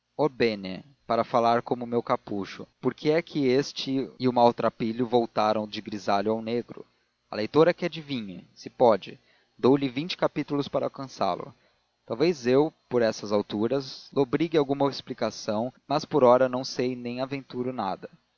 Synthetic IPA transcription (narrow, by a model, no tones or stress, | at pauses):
obenḛ | paɾɐfalaɾkõmʊmewkapuʃʊ̰poɾkʰɪɛkʰɪest͡ʃɪɪʊmawt̪ɾapiʎʊvowt̪aɾɐ̃w̃d͡ʒɪɡɾizaʎʊawneɡɾʊ̰ | ɐ̰lejt̪oɾɛkɪad͡ʒɪvĩɲʊsɪpɔd͡ʒɪ | d̪owlɪvĩt͡ʃɪ̥kapit̪ulʊspaɾɐawkɐ̃sa̰lʊ̰ | t̪awvezewpoɾɛsɐzawt̪uɾɐzlobɾiɡɪawɡũmɐesplikasɐ̃w̃mɐspoɾɔɾɐnɐ̃w̃sejnẽj̃avẽnt̪uɾʊna̰d̪ɐ